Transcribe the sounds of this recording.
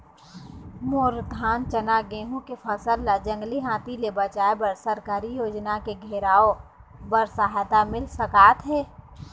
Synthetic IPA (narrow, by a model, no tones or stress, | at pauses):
moːɾd̪ʱaːnt͡ʃənaɡẽːɦõkepʰəsəlːad͡ʒə̃ŋɡliɦãːt̪ilebət͡ʃaːebəɾsəɾkaːɾijoːd͡ʒnakeɡʱeːɾaːo | bəɾsaɦɛt̪amɪlsəkaːt̪ɦɛː